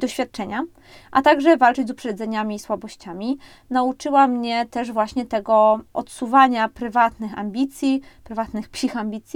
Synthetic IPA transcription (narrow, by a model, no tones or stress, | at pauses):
d̪ɔɕfʲjat̪̚t͡ʂɛɲa | ʔat̪aɡʐɛvalt͡ʂɛd͡ʑzupʂɛd̪zɛɲamʲiswabɔɕt͡ɕamʲi | naut͡ʂɘwamɲɛt̪ɛʐvwaɕɲɛt̪ɛɡɔʔɔt̪suvaɲapɾɘvat̪nɘxa̰mbʲit̪sʲjipɾɘvat̪nɘxpɕixamʲbʲit̪sʲji